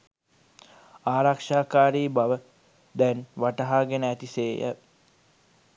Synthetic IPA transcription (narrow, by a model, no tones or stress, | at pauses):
aːɾakʂaːkaːɾiːbaʋə | d̪ɛnʋaʈəɦaːɡenəæt̪iseːjə̰